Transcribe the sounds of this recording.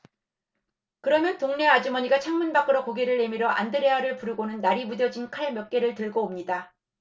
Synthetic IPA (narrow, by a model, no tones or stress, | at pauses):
kɯɾʌmjʌntoŋne̞ad͡ʑimʌɲiɡat͡ɕʰaŋmɯnbak͈ɯɾʌkoɡe̞ɾɯɭːe̞miɾʌʔa̰ndɯɾe̞ɦaɾɯɭpuɾɯɡonɯnːaɾimudjʌd͡ʑinkʰaɭmjʌk̚k͈e̞ɾɯɭtɯɭɡoːmɲida